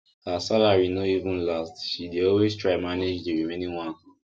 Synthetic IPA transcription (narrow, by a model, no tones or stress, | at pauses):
hasalaɹinoivũnlastʃideɔlwestʰɹaɪmaned͡ʒdiɹimẽnĩŋwãn